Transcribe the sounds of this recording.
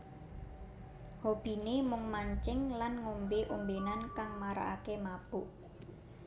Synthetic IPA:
hob̥i̤nemʊŋmaɲt͡ʃɪŋlanŋombeʔumbenankaŋmaɾa̰akemab̥ʊʔ

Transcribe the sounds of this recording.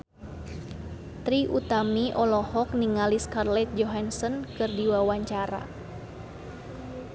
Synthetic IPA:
t̪ɾiʔut̪amiʔɔlɔhɔk̚niŋaliskarlɛt̪̚d͡ʒɔɦansɔnkɨrdiwawaɲt͡ʃaɾa̰

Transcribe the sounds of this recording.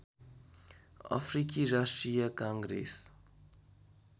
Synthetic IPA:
a̰pʰɾikiɾasʈɾijəkãːŋɡɾḛs

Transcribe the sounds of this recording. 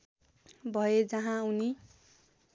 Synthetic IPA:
bʱʌjed͡zʌɦãuni

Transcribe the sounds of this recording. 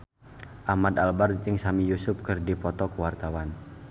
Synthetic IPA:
ʔamad̪albardt̪ɪŋsamijusʊp̚kərdipɔt̪ɔkuwart̪awan

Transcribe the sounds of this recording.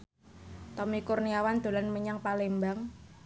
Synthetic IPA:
t̪ɔmikurniawand̪̥o̤lanməɲaŋpalembaŋ

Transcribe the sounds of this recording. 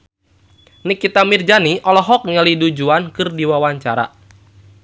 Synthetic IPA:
nikit̪amird͡ʒaniʔɔlɔɦɔk̚ŋəlidud͡ʒuankɨrdiwawaɲt͡ʃaɾa̰

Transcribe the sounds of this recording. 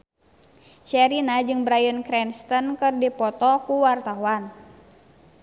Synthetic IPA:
ʃɛɾinad͡ʒɨŋbɾajənkɾɛnst̪ənkɨrdipɔt̪ɔkuwart̪auan

